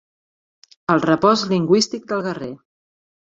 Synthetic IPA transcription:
əlˠrəpɔzliŋɡwist̪ik̚d̪əlˠɣəre

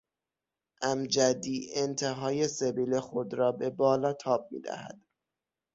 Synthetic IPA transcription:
ʔæmd͡ʒæd̪iːʔent̪ʰe̞ɦɒːje̞sebiːlexod̪ɾɒːbe̞bɒːlɒːt̪ʰɒːb̚mḭːd̪æ̰hæ̰d̪̥

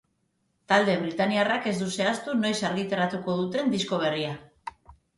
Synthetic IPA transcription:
t̪ald̪e̞β̞ɾit̪aniarake̞zd̪use̞ast̪uno̞jsaɾɣit̪eɾat̪uko̞ðut̪e̞nd̪isko̞β̞e̞ria

